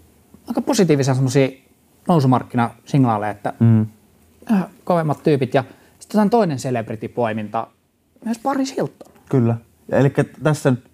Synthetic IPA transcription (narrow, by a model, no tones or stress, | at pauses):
ɑˑikɑposit̪iːʋiseɑsemːˑosiː | noˑusumɑrkːinɑsiŋnɑːlḛːet̪ːæ̰ | æhækoʋemːɑt̪t̪yːpit̪jɑ | si̥t̪ːesɑnt̪oˑinenseleprit̪ipoˑimint̪ɑ̰ | myøspɑrisilt̪ːo̥lːkylːæ | jɑelikːæt̪æsːænyt̪